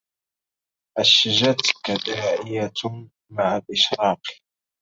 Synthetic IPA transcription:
ʔaʃːɪʒat̪kad̪aʔɪja | maʕalʔɪʃɾɑːq

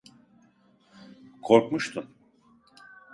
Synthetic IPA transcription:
kʰo̞ɾkmuʃt̪ʰun

